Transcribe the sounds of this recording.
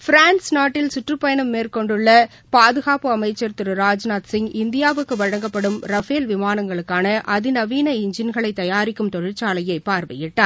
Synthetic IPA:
fɪɾaːnsnaːʈːɪlsʊʈrɯpːɐjɐnɐmːeːrkɔɳɖɯɭːɐ | paːðɯɣaːpɯɐmɐɪt͡ʃːɐɾt̪ɪɾɯɾaːd͡ʒnaːt̪sɪŋɡɪnd̪ɪjaːʋɯkːɯʋɐɻɐŋɡɐpːɐɽɯmɾɐfeːlʋɪmaːnɐŋɡɐɭɯkːaːnɐʔɐðɪnɐʋiːnɐɪɲd͡ʒɪnɣɐɭɐɪt̪ːɐjaːɾɪkːɯmt̪ɔɻɪɾt͡ʃːaːlɐjɐɪpːaːɾʋɐjɪʈːaː

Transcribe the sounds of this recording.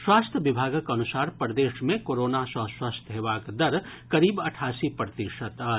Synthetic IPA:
swaːst̪ʰjəʋɪbʱaːɡəkɐnʊsaːɾpɾəd̪eːʃmẽkoːɾoːnasɐ̃swaːst̪ʰɦeːʋaːkd̪ɐɾ | kɐɾiːbɐʈʰaːsipɾət̪iʃət̪a

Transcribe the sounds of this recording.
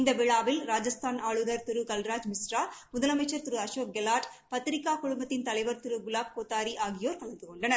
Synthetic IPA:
ind̪ɐʋiɭaːʋilɾaːd͡ʒɐst̪ʰaːnaːɭud̪ɐɾt̪uɾukɐlɾaːd͡ʒmisɾaːmud̪ɐlɐmɐt͡ʃɐɾt̪uɾuɐʃoːk̚ɡɛlaːʈpɐt̪ɾikaːkuɭumbɐt̪ːint̪ɐlɐɪʋɐɾt̪uɾuɡulaːb̚koːt̪aːɾiʔaːɡijoːɾkɐɭɐnd̪ukoɳɖɐnɐɾ

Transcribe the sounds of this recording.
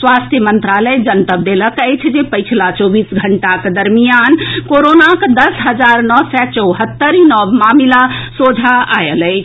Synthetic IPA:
sʋast̪ʰjəmənt̪ɾaləjd͡ʒənt̪əb̚d̪eləkəjt͡ʃʰd͡ʒepəjt͡ʃʰlat͡ʃɔbisɡʱəɳʈakd̪əɾmijankoɾonakd̪əsɦəd͡ʒaɾnɔsɛt͡ʃəwɦət̪ːəɾinɔbmamilasod͡ʒʱaa̰jələɪt͡ʃʰ

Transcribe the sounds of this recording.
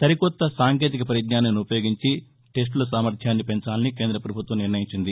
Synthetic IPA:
t̪ɐɾikɔt̪ːɐsaːŋke̞ːt̪ikɐpɐɾjɐd̪naːnɐniupɐjo̞ːɡiɲt͡ʃi | ʈe̞s̬ʈlɐsaːmɐɾt̪ʰjaːnːipeɲt͡ʃaːlɐnikend̪ɾɐpɾɐbʱut̪ʋɐmniɾnɐjiɲt͡ʃind̪i

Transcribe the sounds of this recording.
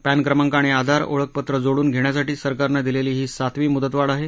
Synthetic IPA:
pænkɾəmaŋkaɽ̃ead̪ʱaɾo̰ɭək̚pət̪ɾəd͡zoɽuːnɡʱeɽ̃jasaʈiːsəɾkaɾnad̪ileliːɦiːsat̪ʋiːmud̪ət̪ʋaɭaɦe

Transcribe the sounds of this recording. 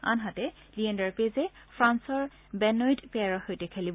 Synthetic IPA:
a̰nɦatɛ | liɛndaɹpezɛ | fʰɹansɔɹ | bɛnɔjtpɛaɹɔhojtɛkʰelib

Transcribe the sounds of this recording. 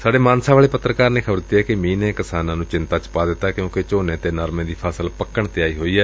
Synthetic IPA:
saːɖeːmãːnsaːʋaːɭeːpət̪ɾəkaːɾnẽːkʰəbəɾd̪ɪt̪iɛːkɪmĩːnẽːkɪsaːnãːnũːt͡ʃɪnt̪aːt͡ʃpaːd̪ɪt̪ːaːkjõːkɪt͡ʃoːnẽːt̪eːnəɾmẽːd̪iːpʰaːsəlpəkːəɳt̪ɪaːiːɦoːiːɛː

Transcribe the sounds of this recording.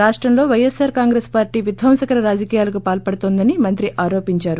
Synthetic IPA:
aːʂʈɾɐmlo̞ːʋɐjesaːɾkaːŋɡɾeːspaːɾʈiːʋjud̪ʱʋɐmsɐkɐɾɐɾaːd͡ʒɐkiːjaːlɐkupaːlpɐɽɐt̪oːnd̪ɐnimɐnt̪ɾiʔʔaːɾo̞ːpiɲt͡ʃaːɾu

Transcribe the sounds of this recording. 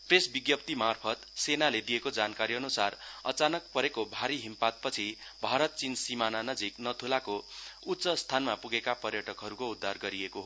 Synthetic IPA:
presbiɡjʌp̚t̪imarpʰʌt̪senaled̪ijekod͡zankaɾiʌnusarʌ̰t͡sanʌk̚pʌɾekobʱaɾiɦimpat̪̚pʌt͡sʰi | bʱaɾʌt̪̚t͡sinsimananʌd͡ziknʌt̪ʰulakout̪ːsʌst̪ʰanmapuɡekapʌrjʌʈʌkɦʌɾukoud̪ʱːarɡʌɾiekoɦo

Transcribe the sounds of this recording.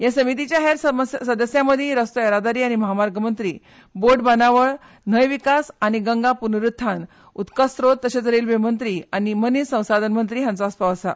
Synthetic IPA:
jasəmit̪it͡ɕjaɦeɾsəd̪əsjaməd̪ʱiɾəst̪oeɾad̪aɾiːañiməɦamaɾɡʱəmənt̪ɾiː | boɖbanaʋəɭ | n̤əjʋikasañiɡəŋɡapunɾut̪ʰːan | ut̪kəst̪ɾot̪əɕat͡səɾiːlʋemənt̪ɾianimənisə̃w̃sad̪ʱənmənt̪ɾiːɦãnt͡saspəʋasa̰

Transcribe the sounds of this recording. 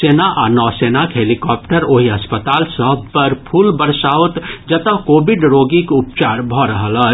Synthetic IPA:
eːnaʔanɔːsenakɦeːlikɔːp̚ʈəɾoɦiɐspət̪aːlsəpəɾpʰuːlbəɾsaːʋt̪d͡ʒət̪əkoːbɪɖɾoːɡikʊp̚t͡ʃaːɾbʱɔɾəɦələ

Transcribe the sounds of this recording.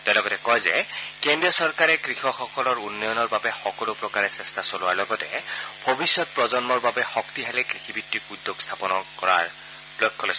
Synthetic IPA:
telɔɡɔtɛkɔjzɛkendɹijɔsɔɹkaɹɛkɹixɔxɔkɔlɔɹunːɔjɔnɔɹbabɛxɔkɔlʊpɹɔkaɹɛsɛstasolʊwaɹlɔɡɔtɛ̰b̥ʱobisːɔt̚pɹɔzɔnmɔɹbabɛxɔktiɦalɛkɹixʰibitːikudːoɡstʰapɔnɔkɔɹa̰ɹ | blɔt̚kʰːɔlos

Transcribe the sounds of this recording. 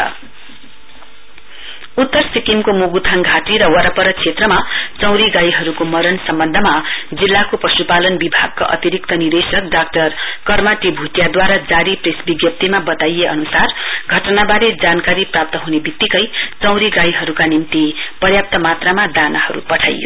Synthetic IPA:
ut̪ːʌrsikimkomuɡut̪ʰaŋɡʱaʈiɾʌwʌɾapʌɾʌkt͡sʰet̪rʌmat͡sʌ̃w̃ɾiɡajɦʌɾukomʌɾʌnsʌmbʌnd̪ʱʌmad͡zilːakopʌsupalʌnbibʱa̰ɡ̚kaʔʌ̰t̪iɾik̚t̪ʌnid̪esʌk̚ɖak̚ʈʌrkʌrmaʈibʱuʈjad̪waɾad͡zaɾipresbiɡjʌp̚t̪imabʌt̪ajeʌnusarɡʱʌʈʌnabaɾed͡zankaɾiprap̚t̪ʌɦunebitt̪ːikʌjt͡sʌw̃ɾiɡajɦʌɾukanimt̪ipʌrjap̚t̪ʌmat̪ramad̪anahʌɾṵpʌʈʰa̰jo̰

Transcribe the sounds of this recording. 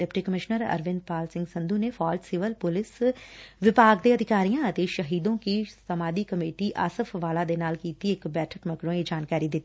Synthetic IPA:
eːpʈiːkəmɪʃnəɾə̰ɾʋɪ̃nd̪̚paːlsɪ̃ŋɡsə̃nd̪ʱuːnefʰɔːd͡ʒsɪʋəlpʊlɪsʋɪpaːɡd̪eːəd̪ʱɪkaːɾijãət̪eʃəɦiːd̪õkisəmaːd̪ikəmeːʈiʔa̰ːsəfʋaːlad̪enaːlkiːt̪iɪkbɛːʈʰəkməkɽõid͡ʒaːnkaːɾid̪ɪt̪ːiː

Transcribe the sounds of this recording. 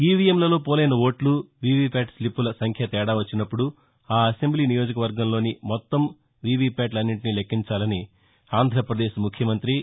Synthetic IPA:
iːʋijemlɐlo̞ːpɔːlɐjnɐʋoːʈluʋiːʋiːpʲaːʈslipːulɐsɐŋkʰjɐːt̪ɛːɽaːʋɐt͡ʃːinɐpːuɽu | aːɐse̞mbliːnijoːd͡ʒɐkɐʋɐɾɡɐmlo̞ːnimɔt̪ːɐm | ʋiːʋiːpʲaːʈlɐnːiʈinilekʰːiɲt͡ʃaːlɐni | aːnd̪ʱɾɐpɾɐd̪eːʃmukʰjɐmɐnt̪ɾi

